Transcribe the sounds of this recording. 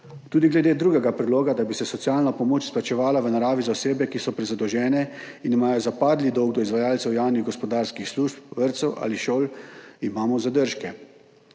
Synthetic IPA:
t̪uːd̪iɡlɛd̪eːd̪ɾuːɡɛɡapɾɛd̪loːɡad̪abisɛsɔt̪siaːlnapɔmoːt͡ʃsplat͡ʃɛʋaːlaʋənaɾaːʋizaɔseːbɛkisɔpɾɛzad̪ɔʒɛːnɛinimaːjɔzapaːd̪lid̪ɔwɡ̚d̪ɔizʋajaːlt̪sɛwjawniɣɡɔspɔd̪aːɾskixsluʃpʋəɾt̪sɛwʔa̰ːliʃoːlimaːmɔzad̪əɾʃkɛ

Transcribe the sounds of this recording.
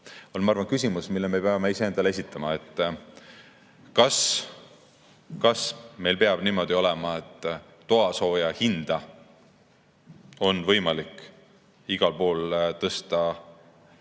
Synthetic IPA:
o̞lmɑɑrvɑnkysʲimusmilːeme̞peɑme̞ise̞end̪ɑlee̞s̬ʲit̪ʰːˑɑmɑe̞t̪ːˑ | kɑs | kɑsme̞jlpeɑb̥niːmo̞d̪̥io̞lɛmɑe̞t̪ˑː | o̞ɑso̞ːjɑhind̪̥ɑ | o̞nvɤjmɑlikˑ | iɡ̥ɑlpo̞ːlt̪ɤst̪ɑ

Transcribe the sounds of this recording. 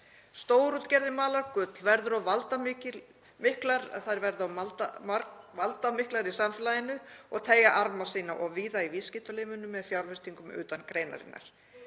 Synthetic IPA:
st̪oːwɾut̪cɛɾðɪmaːlaɾ̥kʏt̪lvɛɾðʏɾawvalt̪amɪcɪ | mɪhklaɾθaɾvɛɾðaw̪t̪ | valt̪amɪhklaɾisamfɪlajɪnːʏɔɣt̪ʰeːjaʔaɾmasiːnaʔɔɣviːðaiviscɪt̪aleːmʏnːʏmːɛðfjawɾvɛst̪ʰiŋkʏmʏ̰ːt̪ankɾeːjna̰ɾɪ̰nːa̰ɾ̥

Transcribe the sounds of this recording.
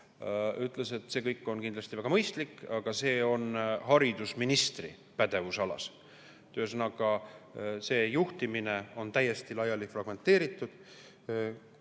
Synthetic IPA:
yt̪ˑlese̞t̪ːse̞ːkɤjkːˑo̞nkind̪lɑst̪ivæɡ̥ɑmɤjst̪likːɑɡ̥ɑse̞ːo̞nhɑɾid̪̥usminist̪rḭ | pæd̪e̞vusɑlɑ̰s | t̪ø̞ːsnɑɡ̥ɑ | se̞ːjuht̪imine̞o̞nt̪æjːe̞st̪ilɑjɑlifrɑɡ̥me̞nt̪ːe̞ːɾit̪ːˑud̪̥

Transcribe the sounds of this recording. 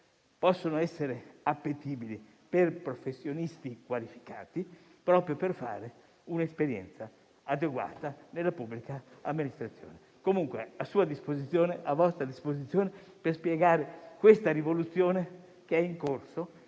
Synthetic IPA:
pɔsːonoɛsːeɾeapːet̪iːbili | perpɾofesːjonist̪ikwalifi̥ka̰ːt̪ipɾɔpɾjoperfa̰ːɾe | unespeɾjɛ̰nt̪sa | ad̪eɡwa̰ːt̪anelːapubːlikaamːinist̪ɾat̪sːjo̰ːne | komuŋkwḛasuːad̪ispozit̪sːjoːneʔavɔst̪ɾad̪ispozit̪sːjoːneperspjɛɡaːɾekwest̪aɾivolut̪sːjoːne | keɛiŋkorso

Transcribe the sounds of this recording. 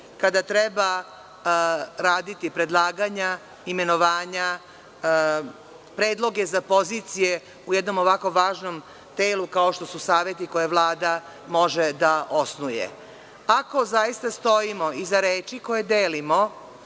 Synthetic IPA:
kad̪at̪ɾeba | ɾaːd̪it̪ipɾe̞d̪lˠaːɡaɲa | ime̞no̞ʋaːɲa | pɾeːd̪lˠo̞ɡe̞zapo̞ziːt̪sije̞ | ujed̪no̞moʋako̞ʋaːʒno̞m | t̪eːlukao̞ʃt̪o̞susaːʋjet̪iko̞jeʋlˠaːd̪a | mo̞ʒed̪aosnujḛ | ako̞zajist̪ast̪o̞imo̞izaɾeːt͡ʃiko̞je̞d̪eːlimo̞

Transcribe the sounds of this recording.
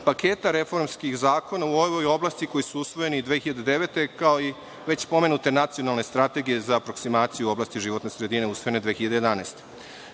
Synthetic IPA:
paket̪aɾe̞fo̞ɾmskixzaːko̞nauoʋojo̞blˠast̪iko̞jisuusʋo̞je̞nid̪ʋeːxiʎad̪ed̪e̞ʋe̞t̪e̞kao̞i | ʋe̞t͡ɕpo̞me̞nut̪e̞nat̪sijo̞nalˠne̞st̪ɾat̪e̞ɡije̞zapɾo̞ksimaːt̪sijuo̞blaːst̪iʒiʋo̞t̪nesɾe̞d̪ine̞usʋo̞jene̞d̪ʋeːxiʎad̪eje̞d̪aneːst̪e

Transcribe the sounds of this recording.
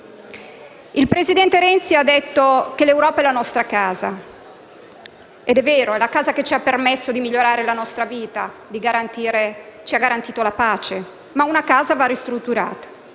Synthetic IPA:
ilpɾezid̪ɛnt̪eɾɛnt̪siad̪ːet̪ːokelewɾɔːpaɛlanɔst̪ɾakaːza | ed̪ɛvːeːɾoɛlakaːzaket͡ʃiapːermesːod̪imiʎːoɾaːɾelanɔst̪ɾaviːt̪a̰d̪iɡaɾant̪iːɾet͡ʃiaɡaɾant̪iːt̪olapaːt͡ʃe | maunakaːzavarist̪ɾut̪ːuɾa̰ːt̪ḁ

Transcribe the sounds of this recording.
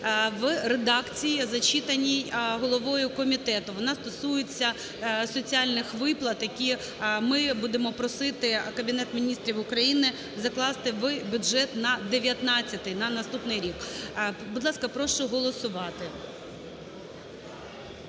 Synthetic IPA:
ʋred̪ɑkt͡sʲijizɐt͡ʃʲit̪ɐnʲijɦɔlˠɔʋɔjʊkɔmʲit̪ɛt̪ʊʋɔnɑst̪ɔsujet͡sʲːɐ | sɔt͡sʲiɑlʲnɪxʋɪplˠɐt̪jɐkʲi | mɪbud̪emɔpɾɔsɪt̪ɪkɐbʲɪnɛt̪mʲinʲist̪ʲɾʲiʋʊkɾɐjinɪ | zɐklˠɑst̪ɪʋbʲʊʒɛt̪nɐd̪eʋʲjɐt̪nɑt͡sʲːɐt̪ɪjnɐnɐst̪upnɪjɾʲikbud̪lˠɑskɐpɾɔʃt͡ʃɔɦɔlˠɔsʊʋɑt̪ɪ

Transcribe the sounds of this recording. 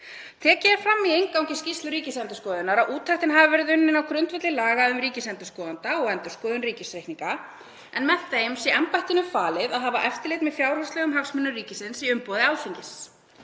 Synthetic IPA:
t̪ʰɛːcɪɾfɾamːiejŋkawcɪscist̪lʏɾiːcɪsɛnt̪ʏskɔːðʏnaɾaʔuːt̪ʰaht̪ɪnɦaːvavɛɾɪðʏnːɪnawkʰɾʏnt̪vɛt̪lɪlaːɣaʏmɾiːcɪsɛnt̪ʏskɔːðant̪aɔɣɛnt̪ʏ̥skɔːðʏnriːcɪsɾehniŋka | ɛnmɛðθejmsɛʔɛmpajht̪ɪnʏmfaːlɪðaðɦaːvaʔɛft̪ɪlejt̪mɛðfjawɾhɔslɛːɣʏmɦafsmɛnːʏriːcɪsɪnsiʏmpɔwðɪaːwlfiɲcɪs

